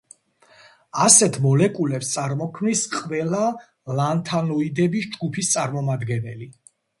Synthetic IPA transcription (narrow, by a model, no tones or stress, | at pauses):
asɛt̪ʰmɔlɛkʼulɛpst̪sʼaɾmɔkʰmnisqʼvɛla | lant̪ʰanɔid̪ɛbisd͡ʒɡupʰist̪sʼaɾmɔmad̪ɡɛnɛli